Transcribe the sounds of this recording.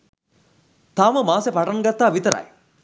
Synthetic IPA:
t̪aːməmaːsepaʈanɡat̪ːaːʋit̪əɾɐ̰j

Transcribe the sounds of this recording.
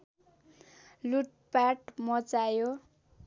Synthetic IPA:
luʈ̚ | paʈmʌt͡sajo

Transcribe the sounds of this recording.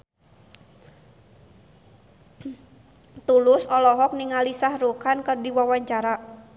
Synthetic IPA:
t̪ulʊsɔlɔɦɔk̚niŋalisahrukankɨrdiwawaɲt͡ʃaɾa

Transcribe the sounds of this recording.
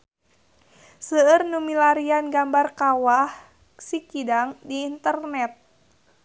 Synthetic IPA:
səərnumilaɾianɡambarkawah | sikidaŋdiːnt̪ərnɛt̪̚

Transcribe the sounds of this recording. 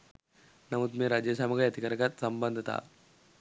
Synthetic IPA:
nɐmut̪meɾad͡ʑjəsamɐɡajɐt̪ikəɾəkat̪səmbənd̪ʱət̪a̰

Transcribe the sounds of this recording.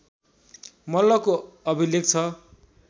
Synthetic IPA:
mʌlːʌkoʌbʱilekt͡sʰʌ

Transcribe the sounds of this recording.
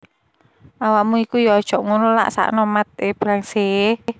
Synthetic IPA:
ʔawaʔmuikujɔad̥ʒ̥ɔʔŋunula̰ʔsa̰ʔnɔmat̪̚eb̥ɾaŋse

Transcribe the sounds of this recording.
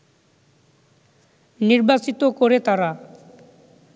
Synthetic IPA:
niɾbat͡ɕit̪okoɾet̪aɾa

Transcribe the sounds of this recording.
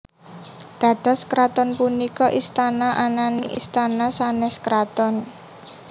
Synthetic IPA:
d̪̥a̤t̪a̤skɾat̪ɔnpunikɔʔist̪anaʔananiʔḭst̪anasanɛskɾat̪ɔn

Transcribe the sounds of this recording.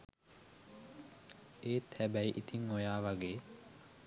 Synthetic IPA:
eːt̪ʰɛbæjʔit̪iŋojaːʋaɡeː

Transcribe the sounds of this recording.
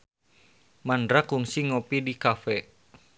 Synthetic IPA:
mandɾakuŋsiŋopidikafɛ

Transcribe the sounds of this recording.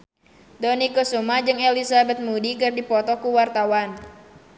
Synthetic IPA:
dɔnikosumad͡ʒɨŋelisabɛt̪̚mudikɨrdipɔt̪ɔkuwart̪awan

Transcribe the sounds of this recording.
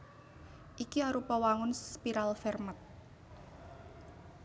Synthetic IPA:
ʔikiaɾupɔwaŋʊnspiɾalfɛrmət̪̚

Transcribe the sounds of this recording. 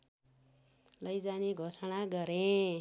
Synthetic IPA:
lʌjd͡zaniɡʱosʌɽaɡʌɾe

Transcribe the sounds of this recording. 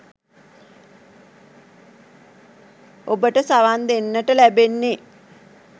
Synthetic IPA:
obəʈəsaʋand̪enːəʈəlæbenːe

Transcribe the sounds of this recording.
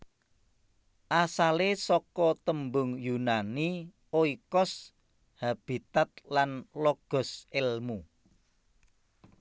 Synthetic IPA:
ʔasalesɔkɔt̪əmbʊŋjunani | oikɔs | hab̥i̤t̪at̪̚lanlɔɡ̥ɔ̤sɪlmu

